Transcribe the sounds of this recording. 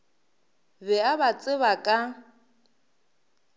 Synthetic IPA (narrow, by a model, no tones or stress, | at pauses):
bɛabat͡sʼɪβakʼa